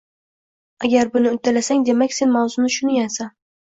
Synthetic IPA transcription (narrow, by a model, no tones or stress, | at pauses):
aɡʲaɾbʊnɪʊt̪ʰːɪlasaŋd̪e̞makʲse̞nmawzʊnɪʃʊnɪjansan